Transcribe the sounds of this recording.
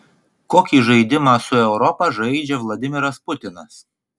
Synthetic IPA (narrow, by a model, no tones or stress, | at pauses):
koːkʲiːʒɐɪd̪ʲɪmɑːsʊɛʊɾɔpɐʒɐɪd͡ʒʲɛʋlˠɐd̪ʲɪmʲɪɾɐspʊt̪ʲɪnɐs